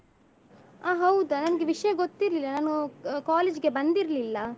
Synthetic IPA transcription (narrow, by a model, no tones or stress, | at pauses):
aːɦɐwd̪ɐnɐnɐɡeʋiʂɐjɐɡot̪ːiɾlilːɐnaːnukaːleːd͡ʒɡe̞bɐnd̪iɾɐlilːɐ